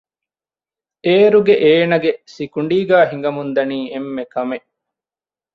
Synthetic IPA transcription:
eːɾuɡeʔeːnɐɡesikuɳɖiːɡæːɦiŋɡɐmund̪ɐniːemːekɐmeʔ

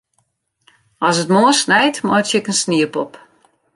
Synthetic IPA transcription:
ɔsətmoərsnɛjtmɔjtjɛkənsniəpɔp

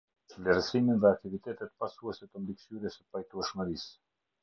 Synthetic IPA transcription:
t͡ʃlɛɾsiminðɛak̚t̪ivit̪ɛt̪ɛt̪pasuɛsɛt̪əmliksyɾɛsəpajt̪uɛʃməɾis

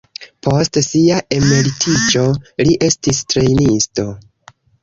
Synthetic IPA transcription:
pʰo̞stsiaʔe̞me̞litʰit͡ʃo̞liʔe̞stistɾe̞jnisto̞

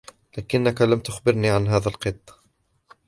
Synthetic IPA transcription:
laːkɪnːakalamt̪ʊxbɪɾniːʕanɦaːðalqɨt̪ˤː

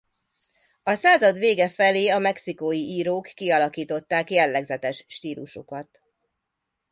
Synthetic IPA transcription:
ɒsaːzɒd̪ʋeːɡɛfɛleːɒmɛksikojiʔiːɾoːkːiɒlɒkiːt̪o̞t̪ːaːkjɛlːɛɡzɛt̪ɛʃʃt̪iːluʃo̰kɒt̪

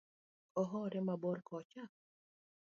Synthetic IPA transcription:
ɔɦɔɾɛmabɔɾkʰɔt͡ʃak̚

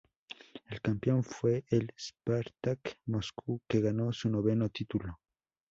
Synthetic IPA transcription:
elkampjo̞ɱfwe̞ʔelspaɾt̪akmoskʰuke̞ɣano̞suno̞βe̞not̪it̪ulo

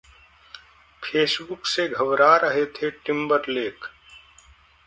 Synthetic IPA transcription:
pʰeːsbʊkseɡʱəbɾaɾəɦet̪ʰeʈɪ̃mbəɾleːk

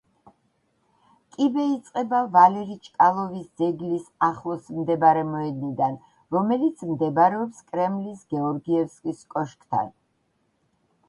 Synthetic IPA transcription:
kʼibɛit̪sʼqʼɛbavalɛɾit͡ʃʼkʼalˠɔvisd̪zɛɡlisaχlˠɔsmd̪ɛbaɾɛmɔɛd̪nid̪an | ɾɔmɛlit̪sʰmd̪ɛbaɾɛɔpskʼɾɛmlisɡɛɔɾɡiɛfskʼiskʼɔʃkʼt̪ʰa̰n

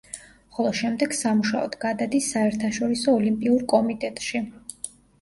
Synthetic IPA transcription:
χɔlˠɔʃɛmd̪ɛɡ̥samuʃaɔ̰d̪ɡad̪ad̪isːaɛɾt̪ʰaʃɔɾisɔːlimpʼiuɾkʼɔmit̪ʼɛt̪ʼʃi

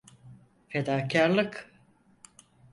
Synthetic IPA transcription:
fed̪aːcʰaɾlˠɯk

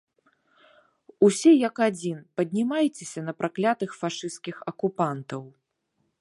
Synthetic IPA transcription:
usʲɛjɐkad͡zʲinpɐd̪ʲnʲimajt͡sʲesʲɐnɐpɾaklʲat̪ɨxfaʂɨst̪kʲixɐkupant̪ɐw

